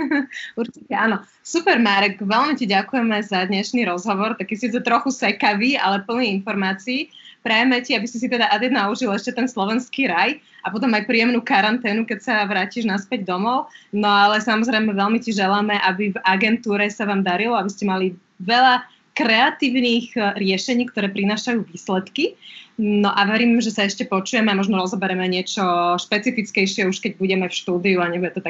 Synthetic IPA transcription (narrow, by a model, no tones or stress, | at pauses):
uɾt͡ʃicɛanɔ | supɛɾmaːɾɛɡʋɛlmiciɟakujɛmɛzad̪ɲɛʃniɾɔzɦɔʋɔɾt̪akːɛsiːd͡zɛt̪ɾɔxusɛkaʋiːa̰lɛpl̩niːinfɔɾmaːt͡siː | pɾɛjɛmɛciabisɛs̬it̪ɛd̪aʔad̪jɛd̪nauʒilɛʃcɛt̪ɛnslɔʋɛnskiːɾaj | apɔt̪̬ɔmajpɾiːjɛmnuːkaɾant̪ɛːnukɛcsaʋɾaːciːʒnaspɛɟd̪ɔmɔʊnɔalɛsamɔzɾɛjmɛʋɛlmiciʒɛlamɛʔabivaɡɛnt̪uːɾɛsaʋaːmd̪aɾilɔabiscɛmali | ʋɛʎa | kɾɛat̪iːʊniːɣɾɪɛʃɛɲiːkt̪ɔɾɛːpɾinaːʃajuːʋiːslɛt̪kinɔʔaʋɛɾiːmʒɛsaɛʃcɛpɔt͡ʃujɛmɛamɔʒnɔɾɔzɔbɛɾɛmɛɲɪɛt͡ʃɔʃpɛt͡sifit͡skɛjʃɪɛuʃkɛɟbuɟɛmɛfʃt̪uːd̪iuaɲɛbijɛt̪ɔt̪a